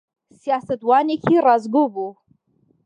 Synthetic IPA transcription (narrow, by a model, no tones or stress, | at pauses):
sjasatʼwanʲekʲʰirazɡʷʊbu